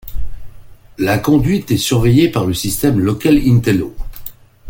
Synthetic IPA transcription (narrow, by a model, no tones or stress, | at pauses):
lakɔ̃d̪ɥit̪ɛsyʁvɛjepaʁləsist̪ɛmlɔkʲalint̪ɛlo